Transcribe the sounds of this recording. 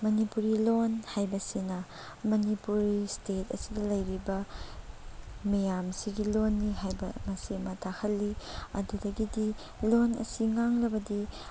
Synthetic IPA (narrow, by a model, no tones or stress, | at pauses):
mɐnipuɾilonhajbɐsinɐ | mɐnipuɾistetɐ̰sidɐlɐjɾibɐ | mijamsiɡilonːiɦajbɐ̰mɐsiɐmɐtʰahʰɐlːiɐ̰dudɐɡidi | lonɐ̰siŋaŋlɐbɐdi